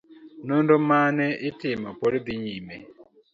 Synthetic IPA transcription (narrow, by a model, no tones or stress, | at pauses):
nundɔmanɛitɪmapɔɾid̪iɲimɛ